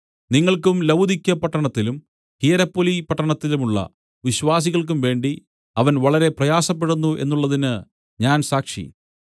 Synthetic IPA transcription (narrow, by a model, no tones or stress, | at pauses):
niŋːɐɭkumlɐwd̪ʱikʲːɐpɐʈːɐɳɐt̪ːilum | hijɐɾɐpːolipɐʈːɐɳɐt̪ːilumuɭːɐ̰ | ʋiɕʋaːs̬iɣɐɭk̬umʋe̞ːɳɖi | ɐʋɐnʋɐɭɐɾe̞prɐjaːsɐpːeɽunːuʔe̞̰nːuɭːɐðinɨ | ɲaːnsaːkʂḭ